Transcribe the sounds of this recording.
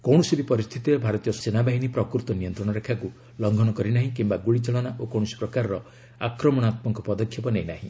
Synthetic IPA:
kɔwɽ̃usiɾipɔɾist̪ʰit̪iɾebʱaɾɔt̪ijɔssenabaɦinipɾɔkɾuɾt̪ɔnijɔnt̪ɾɔɽ̃ɔɾekʰaku | lɔŋɡʱɔñɔkɔɾinaɦĩkimbaɡuɭit͡ʃɔɭɔnaʔokɔw̃usi̥pɾɔkaɾɔɾɔ | akɾɔmɔɽ̃at̪mɔŋkɔpɔd̪ɔkʰjepɔnejnaɦḭ̃

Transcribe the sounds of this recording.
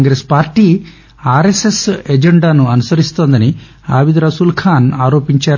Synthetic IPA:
ŋɡɾespaːɾʈiː | aːɾesesed͡ʒeɳɖaːnuɐnusɐɾist̪oːnd̪ɐni | a̰ːʋid̪ɾɐsuːlkʰaːnaːɾoːpiɲt͡ʃaːɾ

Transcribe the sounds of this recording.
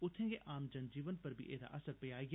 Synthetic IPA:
ʊt̪ʰːẽːŋɡeʔaːmd͡ʒənd͡ʒiːʋənpəɾbʱḭːʔeːd̪a̰ːʔəsəɾpeaːiɡ

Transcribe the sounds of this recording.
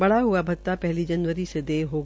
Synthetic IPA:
bɐɽ̤aɦuabʱɐt̪ːapɛɦlid͡ʒɐnʋəɾised̪eːɦoː

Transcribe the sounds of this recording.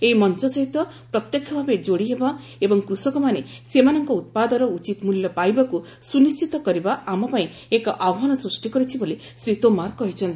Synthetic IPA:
eimɔnt͡ʃɔsɔɦit̪ɔ | pɾɔt̪jɔkʰjɔbʱabed͡ʒoɽiɦeba | ebɔŋkɾusɔkɔmane | semanɔŋkɔut̪̚pad̪ɔɾɔut͡ʃit̪muljɔpajbaku | sunist͡ʃit̪ɔkɔɾibaamɔpaĩ | ekɔʔabʱɔɦanɔsɾusʈikɔɾit͡ʃʰibole | sɾit̪omaɾkɔɦit͡ʃʰɔnt̪i

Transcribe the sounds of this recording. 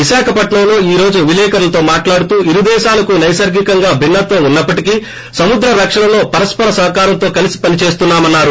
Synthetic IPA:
ʋiʃaːkʰɐpɐʈɳɐmlo̞ːiːɾo̞ːd͡ʒuʋilɛːkɐɾɐlɐt̪o̞ːmaːʈlaːɽut̪uːiɾud̪ɛːʃaːnɐkunɐjsɐɾɡʱikɐŋɡaːbʱinːɐt̪ʋɐmunːɐpːɐʈiki | sɐmud̪ɾɐɾɐkʂɐɳɐlo̞ːpɐɾɐspɐɾɐsɐɦɐkaːɾɐnt̪o̞ːkɐlisi̥pɐnit͡ʃe̞ːst̪unːaːmɐnːaːɾu

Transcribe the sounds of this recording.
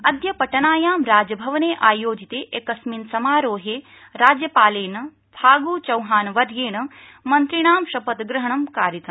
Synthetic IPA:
ɐd̪ʱjɐpɐʈɐnaːjaːmɾaːd͡ʒɐbʱɐʋɐneːʔaːjoːd͡ʒit̪eːʔekɐsminsɐmaːɾoːɦeː | ɾaːd͡ʒjɐpaːleːnɐ | t̪ʰaːɡuːt͡ʃɐwɦaːnʋɐd̪ʱjeːɳɐ | mɐnt̪ɾiɳ̃aːmʃɐpɐt̪ɡɾɐɦɐɳ̃ɐmkaːɾjit̪ɐm

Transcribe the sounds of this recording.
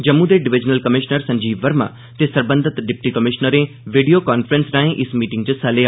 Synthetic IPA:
d͡ʒəmud̪eɖɪʋid͡ʒnəlkəmiʃnəɾsə̃ɲd͡ʒiːʋʋəɾmã̰ | t̪esəɾbənd̪ʱət̪ɖɪp̚ʈikəmiʃnəɾe | ʋiɖijokɔnfəɾensɾaĩʔɪsmiʈĩŋɡt͡ʃesale

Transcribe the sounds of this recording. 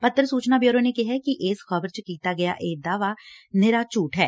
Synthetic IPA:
pət̪ːəɾsuːt͡ʃnaːbjoːɾoːnekɪɦɛːkiʔɪːsxəbəɾt͡ʃəkiːt̪aːɡɐja̰ːʔeːd̪aːʋaːnɪɾaːt͡ʃuːʈɦɛː

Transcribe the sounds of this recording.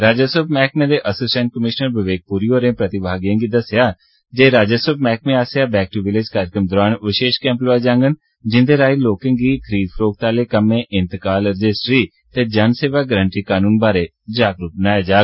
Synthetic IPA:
ɾaːd͡ʒasəbmɛːk̚mẽːd̪eːʔəsiːsʈɛ̃ɳʈ̚kəmɪʃnəɾʋɪʋeːk̚puːɾioːɾẽːpɾət̪ɪbaːɡɪẽːŋɡid̪əsɪjaː | d͡ʒeːɾaːd͡ʒaːsəbmɛːk̚mẽːaːsɪjaːbɛːk̚ʈuːʋɪlɪd͡ʒkaːɾkɾəmd̪ʊɾaːnʋɪʃeːʃkɛ̃ːmploaːd͡ʒãːŋɡən | d͡ʒɪnd̪eːɾaːiloːkɪ̃ŋɡiːkʰəɾiːd̪pʰɾoːɡ̚t̪aːleːkəmẽːʔɪ̃nt̪əkaːlɾɪd͡ʒɪsʈɾiː | t̪eːd͡ʒanseːʋaːɡəɾəɳʈiːkaːnuːnbaːɾeː | d͡ʒaːkɾuːpnaːad͡ʒaː

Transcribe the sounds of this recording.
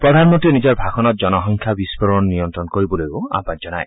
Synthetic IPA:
pɹɔd̪ʱanmɔnt̪ionid͡ʒɔɹbʱakʰɔnɔt̪̚d͡ʒɔnɔɦɔŋkʰabispʰɔɹɔnːijɔnt̪ɹɔnkoɹibɔlojoa̰pãkd͡ʒɔna̰j

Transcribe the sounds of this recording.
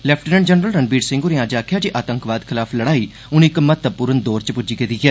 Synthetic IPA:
lɛːpʰʈənəɳɖd͡ʒənɾəlɾənbiːɖsɪ̃ŋɡoɾeãːd͡ʒaːkʰjaːd͡ʒiʔaːt̪ə̃ŋkʋaːd̪kʰɪlaːpʰləɽaːiː | ʊnɪkmət̪ːəpuːɾənd̪oːɾt͡ʃpʊd͡ʒiːkɪd̪iːɦɛː

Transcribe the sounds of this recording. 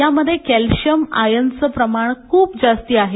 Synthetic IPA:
jaməd̪ʱːjekɛlɕəma̰jənt͡səpɾəmaɳ̃kʰuːpd͡zast̪iːaɦe

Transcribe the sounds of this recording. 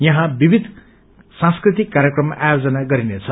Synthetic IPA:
jʌɦãbibʱid̪ʱ | sãskrit̪ikːaɾjʌkrʌmːa̰ʔajod͡zʌnaɡʌɾinet͡sʰʌ

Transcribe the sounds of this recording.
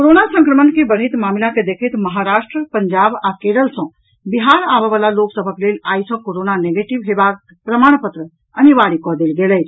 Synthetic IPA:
koɾonasə̃ŋkɾəmənkebəɽ̤ɦit̪maːmlaked̪ekʰit̪məɦaɾaʃʈɾəpəɲd͡ʒaːbakeɾəlsɔ̃ | biɦaɾaːʋeʋalaloksəbʱəklelaːisɔ̃koɾonaneɡeʈiʋɦebaɾ | pɾəmaːɳ̃pət̪ɾə | əniʋaɾikɔd̪elɡelɛj

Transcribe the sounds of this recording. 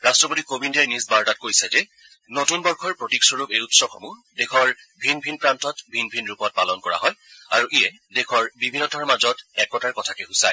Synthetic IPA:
ɹastɹɔpotikobʱindajnisbaɹtat̚kojsɛzɛ | notunbɔɹkʰɔɹpɹotiksoɹupejutsɔxʰɔ̰mudekʰɔɹ | bʱinbʱinpɹantɔtbʱinbʱinɹupɔt̚palɔnkɔɹa̰ɦɔjaɹuʔijɛ | dekʰɔɹbibʱinːɔdʱɔɹmazɔtɛkːɔtaɹkɔtʰakɛɦʊsa̰j

